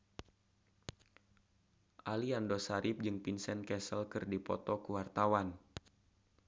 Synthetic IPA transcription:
ʔaliandosaɾip̚d͡ʒɨŋpinsɛnkɛsəlkɨrdipɔ̰t̪ɔkuwart̪awan

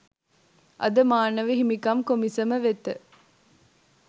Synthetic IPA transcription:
ʔɐ̰d̪əmaːnɐʋiɦimikɐmkomisɐməʋet̪ə

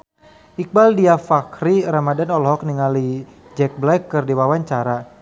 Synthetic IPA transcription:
ik̚baldiafakɾiramadanɔlɦɔk̚niŋali | d͡ʒɛk̚blɛkːɨrdiwawaɲt͡ʃaɾa

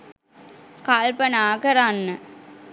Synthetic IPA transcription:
kalpənaːkəɾanːə

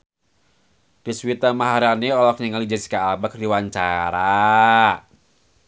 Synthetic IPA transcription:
d̥iswit̪amaɦaɾaniɔlɔk̚ɲəŋalid͡ʒasi̥kaːbakdiwaɲt͡ʃaɾa

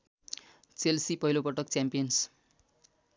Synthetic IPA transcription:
t͡selsipʌɦilopʌʈʌkt͡sjampijʌns

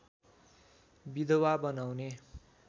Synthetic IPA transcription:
bid̪ʌwabʌnawne

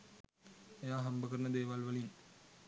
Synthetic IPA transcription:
ejaːɦɐmbɐkɐɾɐnɐd̪eːʋalʋɐlin

